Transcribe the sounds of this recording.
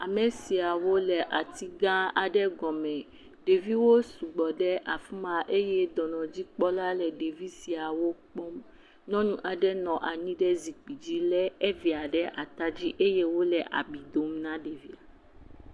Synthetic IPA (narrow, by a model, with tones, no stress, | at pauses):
a˨mɛ̃˨si˨a˨wo˦lɛ˨ʔa˨t̪i˦ɡã˦a˨ɖɛ˦ɡɔ̃˨mɛ̃˨ | ɖe˨vi˦wo˦su˨ɡ͡bɔ˨ɖɛ˦ʔa˨fu˦mã˨ʔe˦jɛ˦d̪ɔ˨nɔ̃˨d͡ʑi˦k͡pɔ˦la˦lɛ˨ɖe˨vi˦si˨a˨wo˦k͡po˦m | nɔ̃˦nũ˦ʔa˨ɖɛ˦nɔ̃˨ʔa˨ɲĩ˦ɖɛ˦zi˨k͡pi˨d͡ʑi˦lɛ˦ɛ˦vi˨a˨ɖɛ˦ʔa˨t̪a˦d͡ʑi˦ʔe˦je˦wo˦lɛ˨ʔa̰˨bi˨d̪o˨mnã˦ɖe˨vi˦a˨